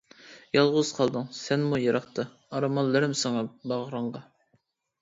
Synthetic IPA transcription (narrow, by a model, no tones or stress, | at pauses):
jɑlˠʁʊz̥qʰɑlˠd̪ɨŋsɛnmujɑɾɑχt̪ʰɑ | ɑɾɑmɑnlːɨɾɪmsɑŋɑbɑʁɾəɴʁɑ